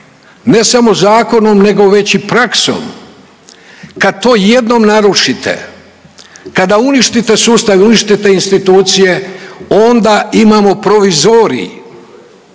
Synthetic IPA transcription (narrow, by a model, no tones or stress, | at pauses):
ne̞samo̞zaːko̞no̞mne̞ɡo̞ʋe̞t͡ɕipɾakso̰m | kad̪̚t̪o̞ːje̞d̪no̞mnaɾuʂit̪ḛ | kad̪auniʃt̪it̪e̞suːst̪aʋiuniʃt̪it̪e̞inst̪it̪uːt̪sije̞o̞nd̪aimamo̞pɾo̞ʋizoːɾḭ